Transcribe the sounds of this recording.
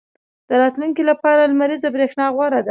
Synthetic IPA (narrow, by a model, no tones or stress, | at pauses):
d̪̥əɾɑt̪luŋkilapɑɾalmaɾizabɾexnɑɣwɑɾad̪a